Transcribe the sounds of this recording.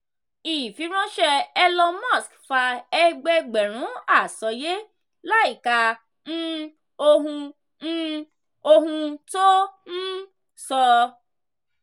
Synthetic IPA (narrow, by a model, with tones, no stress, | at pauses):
i˨fi˨˦ɾ̃ã˦ʃɛ˧ɛ˧lɔ˧mɔ̃˦˨skfa˧ɛ˧ɡ͡bɛ˧ɡ͡bɛ˨ɾ̃ũ˨˦a˦˨sɔ˨˦je˦ | la˦i˦˨ka˧ | n̩˦ | o˧ɦũ˧ | n̩˦ | o˧ɦũ˧to˦n̩˦ | sɔ˧